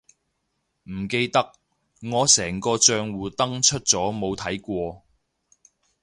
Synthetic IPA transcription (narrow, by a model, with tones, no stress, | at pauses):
m̩˨˩ke˧jt̪ɐ˥k̚ | ŋɔː˨˧sɛː˨˩ŋkɔː˧t͡ʃœː˧ŋwuː˨˩t̪ɐ˥ŋt͡ʃʰɵ˥t̚t͡sɔː˨˥mo˨˧wt̪ʰɐ˨˥jkʷɔː˧